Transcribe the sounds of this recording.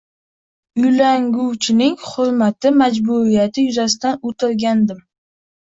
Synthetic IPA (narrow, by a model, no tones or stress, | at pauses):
ʊjlaŋɡuwt͡ʃʰɪnɪŋχʊɾmat̪ʰɪmad͡ʒbuɾijat̪ʰɪjʊzas̬ɪt̪anʊt̪ʰɪlɡʲand̪ɪm